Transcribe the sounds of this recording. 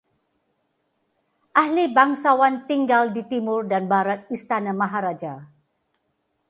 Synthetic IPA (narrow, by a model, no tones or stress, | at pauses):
ʔahlibaŋsawant̪iŋɡaldit̪imʊrdanbaɾat̪̚ist̪anamaɦaɾad͡ʒa